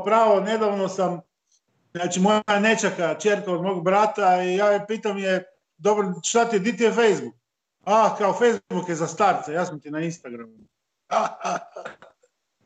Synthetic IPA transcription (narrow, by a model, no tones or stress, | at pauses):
pɾaːʋone̞d̪aʋno̞sam | zaːt͡ʃimo̞jane̞t͡ʃakat͡ʃeɾk̪aod̪moɡbɾat̪aijaːpiːt̪amije | d̪obɾʃt̪at̪id̪it̪iefejzbuk̚ | akaofejzbukjezast̪aɾt̪sajaːsamt̪inainst̪aɡɾamu